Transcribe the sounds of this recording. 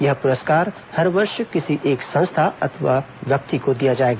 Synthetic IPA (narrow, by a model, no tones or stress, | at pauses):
jɐɦpʊɾəskaːɾ | hɐɾʋɐɾʃkɪsiʔeːksɐ̃st̪ʰaɐ̰t̪ʰʋa̰ | ʋjɐk̚t̪ikod̪ijad͡ʒaːeːɡaː